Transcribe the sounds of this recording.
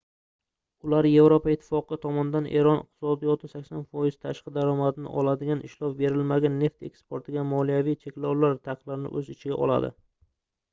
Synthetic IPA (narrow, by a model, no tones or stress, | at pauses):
ʊlaɾje̞vɾopʰaɪt̪ʰːɪ̥fɒqɨt̪ʰɒmɒnd̪anʔe̞̰ɾɒnɪ̰q̚t̪ʰɪ̥sɒd̪ijɒt̪ʰɪsakʲsanfɒjɪzt̪ʰaʃqɨd̪aɾɒmad̪nɪ̰ʔɒlˠad̪ɪɡʲanɪʃlɒpbe̞ɾɪlmaɡʲanːe̞ft̪e̞kspoɾt̪ʰɪɡʲamɒlˠijavijt͡ʃʰe̞kʲlawlaɾt̪ʰaqlˠaɾɪnɪ̰ʔɵzɪt͡ʃʰɪɡʲaʔɒ̰lˠa̰d̪ɪ̰